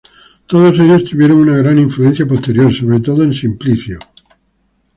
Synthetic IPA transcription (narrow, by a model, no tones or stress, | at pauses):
t̪oð̞oseʎost̪uβjeɾoŋunaɣɾaniɱfluen̟θjapost̪e̞ɾjoɾsoβ̞ɾet̪oðoensimpliθjo